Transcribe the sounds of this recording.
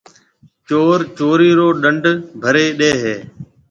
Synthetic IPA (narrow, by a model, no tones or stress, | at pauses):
t͡ʃoːɾt͡ʃoːɾiːɾoːɗəɳɖʱbʱəɾeːɗeːɦeː